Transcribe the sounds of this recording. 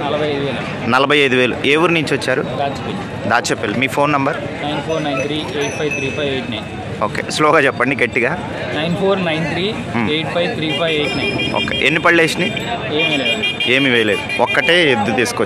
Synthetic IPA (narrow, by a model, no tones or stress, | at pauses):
nɐlɐbʱɐjɐjd̪uʋeːlɐ | nɐlɐbʱɐjɐjd̪uʋe̞ːlṵeːwuɾniɲt͡ʃʋɐt͡ʃːaːɾud̪aːt͡ʃɐpenid̪aːt͡ʃɛpːeːlimiːpʰo̞ːnːɐmbɐɾ | nɐjnpʰoːɾnɐjnt̪ʰɾiːeːʈ̚pʰɐjʋt̪ʰɾiːpʰɐjʋejʈnɐjn | oːkḛːsloːɡaːt͡ʃɛpːɐɳɖiɡeʈːiɡaː | nɐjnpʰoːɾnɐjnt̪ʰɾiː | mejʈ̚pʰɐjʋt̪ʰɾiːpʰɐjʋejʈnɐjno̰ːkḛʔenːipɐɭleːʂni | eːmileːd̪e̞ːmiʋejle̞ːd̪uɔkːɐʈeːed̪ːut̪iːsu̥ko